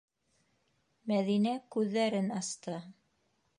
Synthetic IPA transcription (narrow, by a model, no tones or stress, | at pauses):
mæðinækʉðːæɾɘnɑst̪ɤ